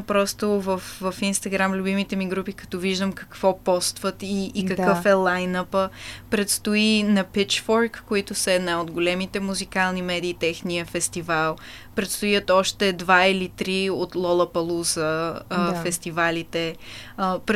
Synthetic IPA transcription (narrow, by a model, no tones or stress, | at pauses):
pɾɔst̪ovɐfvɐfinst̪ɐɡɾamlʲʊbimit̪ɛmiɡɾupikɐ̥t̪ɔviʒd̪əmkɐ̥kvɔpɔst̪vət̪iːkɐkɤfɛlˠajnəpəpɾɛt̪st̪ʊinɐpit͡ʃfɔɾkːoit̪ʊsəɛd̪naod̪ɡolɛmit̪ɛmuzikalˠnimɛd̪iːt̪ɛxniəfɛst̪ivalˠ | pɾɛt̪st̪ojət̪ɔʃt̪ɛd̪vailit̪ɾiot̪lˠɔlˠəpɐlˠuzəfɛst̪ivalit̪ɛ | pɾ